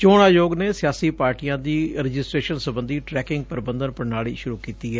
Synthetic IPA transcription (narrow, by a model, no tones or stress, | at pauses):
t͡ʃoːɽ̃aːjoːɡneːsɪjaːsiːpaːɾʈijãːd̪iːɾəd͡ʒɪsʈɾeːʃənsəbə̃nd̪iːʈɾɛːkɪŋɡ̚pəɾbənd̪ənpəɾnaːɭiːʃʊɾuːkiːt̪iːɦɛː